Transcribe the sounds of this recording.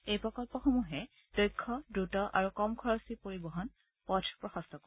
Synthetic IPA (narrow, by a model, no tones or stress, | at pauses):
ejpɹɔkɔlpɔxomuɦɛ | d̥ojkʰːɔdɹutɔʔaɹukɔmkʰɔɹɔsipoɹibɔɦɔn | pɔtʰpɹɔxɔstɔk